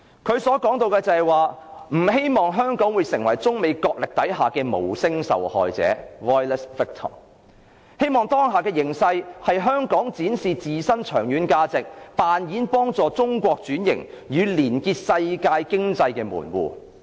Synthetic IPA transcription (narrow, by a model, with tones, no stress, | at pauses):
kʰɵ˨˧ɥsɔː˨˥kɔː˨˥ŋt̪o˧wkɛː˧t͡sɐ˨hɛ˨jwaː˨m̩˨˩he˥jmɔː˨ŋɦœː˥ŋkɔː˨˥ŋwuː˨˧jsɪ˨˩ŋwɐ˨˩jt͡sʊ˥ŋme˨˧jkɔː˧k̚lɪ˨k̚t̪ɐ˨˥jɦaː˨˩kɛː˧mo̰˨˩wsɪ˥ŋsɐ̰˨whɔ̰ː˨jt͡sɛ̰ː˨˥wɔː˥jlɛ˥sfɪ˥k̚t̪ʰɔ̰˨˩m | he˥jmɔː˨ŋt̪ɔː˥ŋɦaː˨˩kɛː˧jɪ˨˩ŋsɐ˧jhɐ˨jɦœː˥ŋkɔː˨˥ŋt͡siː˨˥nsiː˨t͡siː˨sɐ˥nt͡ʃʰœː˨˩ŋjyː˨˥nkaː˧t͡sɪ˨k̚paː˨njiː˨˥npɔː˥ŋt͡sɔː˨t͡sʊ˥ŋkʷɔː˧k̚t͡syː˨˥njɪ̰˨˩ŋ | jyː˨˧liː˨˩nkiː˧t̚sɐ˧jkaː˧jkɪ˥ŋt͡sɐ˧jkɛː˧mṵː˨˩nwṵː˨